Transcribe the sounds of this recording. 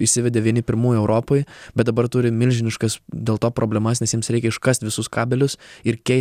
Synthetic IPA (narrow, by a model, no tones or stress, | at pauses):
ɪʃsʲɪʋʲɛd̪ʲeːʋʲiɛnʲɪpʲɪɾmuːjʊɛʊɾʔoːpoːjb̥ʲɛt̪̚d̪ɐbɐɾt̪ʊɾʲɪmʲɪlʲʒʲɪnʲɪʃkɐsd̪ʲeːlˠt̪oːpɾʔoːbʲlʲɛmɐs̬nʲɛsjɪmsɾʲɛɪkʲɛɪʃkɐst̪ʲʋʲɪsʊskɑːbʲɛlʲʊsɪɾkʲɛɪ